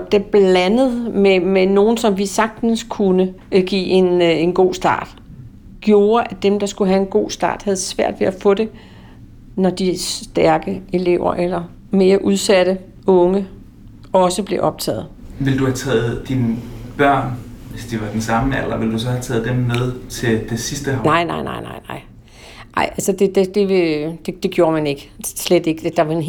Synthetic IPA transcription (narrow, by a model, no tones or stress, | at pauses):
d̥eb̥lænəð̞̩ˠmemeno̝ːn̩sɒ̽mʋisɑ̈ɡ̥̚d̥n̩skʰunə | ɡ̥ḭːe̝ne̝nɡ̥o̝̰ːsd̥ɑ̰̈ːd̥ | ɡ̥jo̝ːɐʔæd̥emd̥ɑ̈sɡ̥uɦæe̝nɡ̥o̝̰ːsd̥ɑ̰̈ːd̥hæð̞ˠsʋæɐ̰d̥ʋe̝ʔæfɔ̽d̥e̝ | nɒd̥isd̥æɐɡ̥əe̝le̝ʊ̰ɐ̰ʔelɐ | me̝ːɐʔuð̞ˠsæɾ̥ə | ɔ̽ŋə | ɒ̽səb̥le̝ʔɒ̽b̥̚t͡sʰɛ̰ːð̩ˠʋe̝ld̥uhæt͡sʰɛ̰ːð̞̩ˠd̥inb̥ɶɐ̰nʋe̝sd̥iʋɑ̈d̥ensɑ̈məelɐʋe̝ld̥us̬ɒ̽hæt͡sʰɛ̰ːð̩ˠd̥emmeð̞ˠt͡sʰe̝d̥e̝sisd̥əhnɑ̈ɪ̰nɑ̈ɪnɑ̈ɪ̰nɑ̈ɪ̰nɑ̈ɪ̰ | ɑ̈ɪ̰ʔælsəd̥e̝d̥e̝d̥e̝ʋed̥e̝d̥e̝ɡ̥jo̝ːɐmæne̝ɡ̥əsled̥e̝ɡ̥ə̥d̥ɑ̈ʋɑen